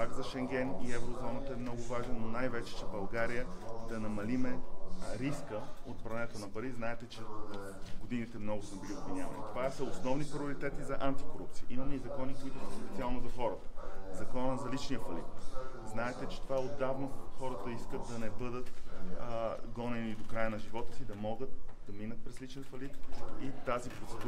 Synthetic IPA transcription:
paɡzɐʃɛŋɡ̟ɛniɛvɾozɔnət̪əɛmnɔɡʊvaʒnɛnːonajvɛt͡ʃɛ̥t͡ʃɛbɐlˠɡaɾijəd̪ɐnɐmɐlimɛɾiskəot̪̚pɾɐnɛt̪onɐpɐɾiznaɛt̪ɛt͡ʃɛ | ɡod̪init̪ɛmnɔɡʊsmɛbiliobvinʲja̰vɐ̰nḭt̪ovasəosnɔvnipɾʲioɾit̪ɛt̪izɐʔant̪i̥koɾṵp̚t̪sijə̰iməməizɐkɔnikoit̪ʊsəpɛt̪sialˠnozɐxɔɾət̪ə̥zɐkɔnəzɐlit͡ʃnijəfɐlḭt̪znaɛt̪ɛt͡ʃɛ̥t̪ovaɛod̪avnoxɔɾət̪əiskət̪̚d̪ɐnɛbɤd̪ət̪ | ɡɔnɛnid̪okɾajənɐʒivɔt̪ə̥sid̪ɐmɔɡət̪̚d̪ɐminət̪̚pɾɛslit͡ʃnɛnfɐlit̪it̪azipɾot̪sɛd̪u

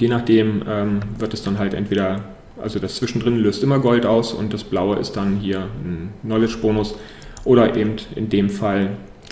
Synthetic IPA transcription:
jeːnaːχd̥eːmʔɛːmvɪɐtɛsd̥anɦaltʔɛ̰ntv̥eːɾɐ | ʔa̰lzodast͡sv̥ɪʃn̩dʁɪnløːstʔɪmɐɡɔltaʊsʊ̰nt̚d̥asb̥laʊəʔɪ̰st̚d̥anɦiːɐnːɔlɪt͡ʃb̥oːnʊs | ʔoːɾɐʔeːbm̩tʔɪ̰ndeːmfal

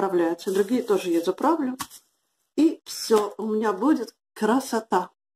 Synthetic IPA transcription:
ɾɐvlʲæjʊt̪səd̪ɾʊɡʲijət̪oʐɨjezʲʊpɾavlʲʊ | ifsʲoʊmʲɪnʲabudʲɪt̪ | kɾəsɐt̪a

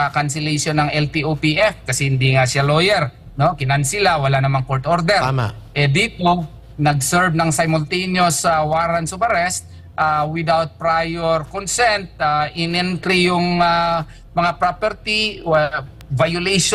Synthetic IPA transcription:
ɐkansɛlejʃonːɐŋʔɛlt̪iʔopiʔɛfkɐsɛhɪnd̪iŋasalojɛɾ | no̞kɪnɐansɪlawɐlanɐmaŋkoɹt̪ʔoɾd̪ɛɾʔɛd̪iːt̪o | nɐɡsɛɹbnɐŋsɐjmolt̪ijnjosawaːɾɐnsʊbɐɾɛst̪̚ | ʔawɪd̪awt̪̚pɾajoɾkonsɛnt̪̚aʔɪnɪnk̪ɾijʊŋa | mɐŋapɾopɛɾt̪i | vajʊlejʃ

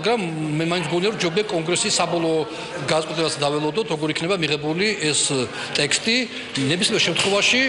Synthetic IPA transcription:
ɡɾamːɛmaint̪ʰɡuniaɾɔɾd͡ʒɔbiakʼɔŋɡɾɛsisabɔlˠɔ | ɡad̪asʼɛt̪ʼlɛbasd̪avɛlˠɔd̪ɔt̪ʰɾɔɡɔɾikʰnɛbamiʁɛbuliʔɛs | t̪ʼɛkst̪ʼi | nɛbisliɛɾʃɛmt̪ʰχwɛvaʃi

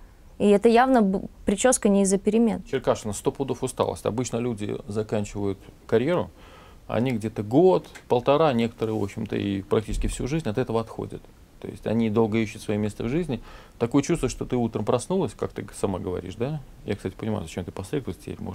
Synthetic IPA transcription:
iɛt̪əjavnəpɾʲɪt͡ɕoskənʲɪɪzəpʲɪɾʲɪmʲe̞nt͡ɕɪrkaʂʊnst̪o̞pːd̪o̞fʊst̪a̰lˠə̰sʲɐ̰bɨt͡ɕnəlʲudʲɪ̰zɐkanʲt͡ɕɪvəjʊt̪kɐɾʲje̞ɾʊ | ɐ̰nʲiɡdʲe̞t̪əɡo̞t̪pəlˠt̪ɐɾanʲe̞kə̥t̪əɾɨjvo̞ɕːɪmt̪ə̰ipɾɐk̚tʲit͡ɕɪskʲɪfsʲuʐɨzʲnʲɐt̪ɛt̪əvəɐt̪xo̰dʲə̰t̪ | t̪ːo̞̰jɪ̰sʲtʲɐ̰nʲid̪o̞lˠɡəiɕːʊt̪svɐjimʲest̪əvʐɨzʲnʲɪ | t̪ɐkojət͡ɕust̪vəɨəʂt̪o̞t̪ɨut̪ɾəmpɾɐsnulˠəsʲkak̚t̪ɨsɐma̰ɡəvɐ̰ɾʲḭʂd̪a | ja̰kst̪atʲɪ̥pənʲɪma̰jʊzɐt͡ɕemt̪ɨpɐslʲed̪vsʲtʲɪpʲḛɾʲmo

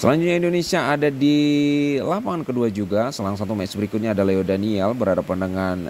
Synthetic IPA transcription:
səlaɲd͡ʒut̪̚ɲaindonesiaːdadi | lapankəduad͡ʒuɡasəlaaŋsat̪umɛsbəɾikʊt̪̚ɲaːdalaodaniɛlbərhadapandəŋan

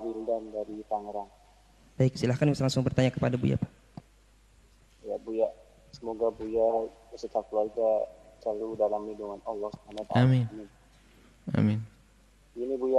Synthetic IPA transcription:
windandaɾit̪aŋɾaŋ | b̥aiksilahkanslaŋsʊŋbərt̪aɲakəpadabṵja̰pa | jaʔbujaʔ | səmoɡabujaəsət̪akuluarɡat͡ʃaludalamiduŋanɔlːɔhsu̥banaat̪aamɪnmin | a̰mɪn | inibuja

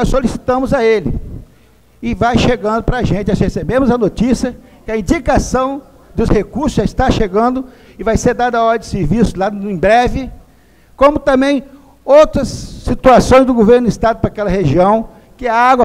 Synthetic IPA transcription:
nɔsolisi̥t̪ɐ̃mʊzɐelɪ̰ | ɪvajʃeɡɐ̃nd̪ʊpɾɐʒẽnt͡ʃ̪ɪɔshesebẽmʊzɐnot͡ʃisiɐ | kɪɐĩnd͡ʒikasɐ̃w̃ | d̪ʊshekuɾsʊzʒaɪst̪aʃeɡɐ̃nd̪ʊ | ɪvajseɾd̪ad̪ɐɔɾɐdɪseɾvisʊzlaẽj̃bɾɛvɪ | kõmʊt̪ɐ̃mbẽj̃ | owt̪ɾɐsːit̪uasõj̃zd̪ʊɡoveɾnd̪ist̪ad̪ʊpɾakɛlɐheʒiɐ̃w̃ | kɪɐaɡwɐ

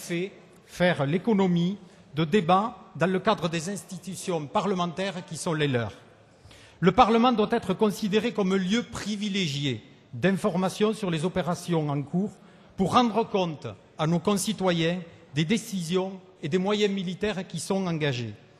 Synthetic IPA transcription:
fɛ | fɛʁlekɔnɔmi | d̪əd̪ebad̪ɑ̃ləkad̪ʁəd̪ezɛ̃st̪it̪ysjɔ̃paʁləmɑ̃t̪ɛʁkʲisɔ̃lelœʁ | ləpaʁləmɑ̃d̪wat̪ɛt̪χəkɔ̃sid̪eʁekɔmə̃ljøpχivileʒje | d̪ɛ̃fɔʁmasjɔ̃syʁlezɔpeʁasjɔ̃ɑ̃ŋkuʁ | puʁːɑ̃d̪ʁəkɔ̃nt̪ | anokɔ̃sit̪wajɛ̃d̪ed̪esizjɔ̃ | ed̪emwajɛ̃milit̪ɛʁkʲisɔ̃ɑ̃ŋɡaʒe

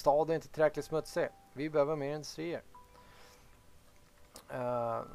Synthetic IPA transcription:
st̪ɑːd̪æɾɪnt̪ə̥t̪ʰɾɛklɪt̪smɵt̪sɪ | vɪbɛhøːvəmeːɾɪnd̪ɵst̪ɾiːəɾ

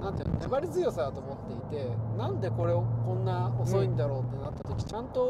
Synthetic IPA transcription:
nãnt̪ḛn̰o̰ʔebaɾʲizɨjo̞sad̪at̪oːmo̞t̪ːe̞it̪e̞nãnd̪e̞ko̞ɾe̞okõ̞nːaoso̞ĩnd̪aɾo̞ːt̪ːe̞nat̪ːat̪o̞kʲi̥t͡ɕãnt̪o̞

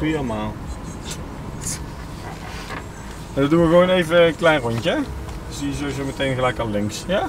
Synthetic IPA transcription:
ielˠəmaːlˠ | adɔdunʋəɣʋownejvəklɛjnrɔɲcə | sijəzowizowmətejnɣəlɛjkɑlˠlɪŋksja

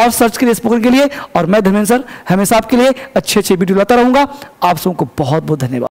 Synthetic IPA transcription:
ɔːɾsɐɾt͡ʃkeliesboːkɾɪ̃kelieɔːɾmɛ̃d̪ʱɐmẽnsəɾhɐmeːsaːp̚kelieɐtːʃʰeɐtːʃʰeʋiːɖiolaːt̪aɾɐɦũːŋɡaaːpsɐbõkobɔɦɔt̪̚bɔɦːt̪̚d̪ʱɐnjəʋa̰ːd̪

